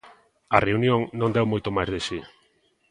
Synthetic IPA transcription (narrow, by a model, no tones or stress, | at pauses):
ɐreunjõŋnõnd̪ɛwmojt̪omajzðesi